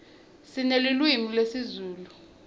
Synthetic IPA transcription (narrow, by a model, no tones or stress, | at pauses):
sinelilwimilesizuːlu